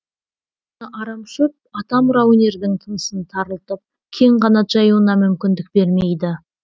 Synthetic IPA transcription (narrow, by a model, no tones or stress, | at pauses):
nəʔɑɾɑmʃəp̚ | ɑt̪ɑmɾaunʲe̞ɾd̪ɪŋt̪ʰənəsənt̪ʰɑɾəlˠt̪əp̚ | kʲʰe̞ŋqɑnɑt̪ʒ̥ɑjəwənɑmʏmkʲɪnd̪ɪk̚be̞ɾme̞jd̪ɪ